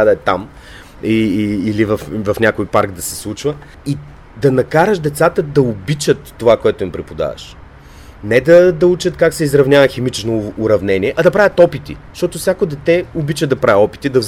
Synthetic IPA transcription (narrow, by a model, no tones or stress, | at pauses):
ad̪ɐɛt̪a̰m | iːlivɐfvɐfnʲakojpaɾkd̪ɐsɛslˠut͡ʃvə | i | d̪ɐnɐkaɾəʃd̪ɛt̪sat̪əd̪ɐʊbit͡ʃət̪ːovakoɛt̪ʊimpɾɛpod̪a̰və̰ʃ | nɛd̪ɐd̪ɐut͡ʃət̪kaksɛizɾɐvnʲjavəxɛmit͡ʃnoːɾɐvnɛniɛʔɐd̪ɐpɾavʲjət̪ɔpit̪ḭʃt̪ɔt̪ofsʲakod̪ɛt̪ɛobit͡ʃəd̪ɐpɾaɛɔpi̥t̪id̪ɐ